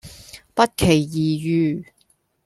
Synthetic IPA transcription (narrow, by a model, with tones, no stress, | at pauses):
pɐ˥t̚kʰe˨˩jːiː˨jyː˧